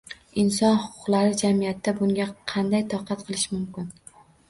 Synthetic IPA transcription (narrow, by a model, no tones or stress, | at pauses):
ɪnsɒnhʊqʰʊ̥qlˠaɾɪd͡ʒamijat̪ʰːabʊŋɡʲaqʰɑnd̪ajt̪ʰɒqʰɑt̪̚qʰɨlˠɪʃmʊmkʲɪn